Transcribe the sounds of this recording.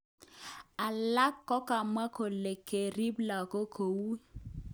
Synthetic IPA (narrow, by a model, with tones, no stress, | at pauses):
a˨la˦kːɔ˦ka˨ma˦ko˨le˨ke˨ɾi˦bla˨ko˦kʰo˨wu˦